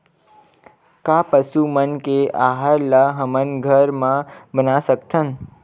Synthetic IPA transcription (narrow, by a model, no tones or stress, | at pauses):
kapəsumənkeʔaɦaɾlaɦəmənɡʱəɾmãbənasəkt̪ʰən